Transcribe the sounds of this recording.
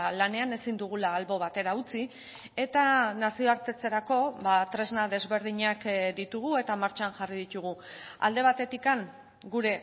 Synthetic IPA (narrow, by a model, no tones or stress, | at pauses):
lane̞ane̞sind̪uɣ̞ulaːlβo̞βat̪e̞ɾaut͡si | e̞t̪anasioaɾt̪e̞t͡se̞ɾako̞βat̪ɾe̞znaðe̞zβe̞ɾð̞iɲakd̪it̪uɣue̞t̪amaɾt͡ʃanʝariðit̪uɣ̞ua̰ld̪e̞β̞at̪e̞t̪ikaŋ | ɡuɾe̞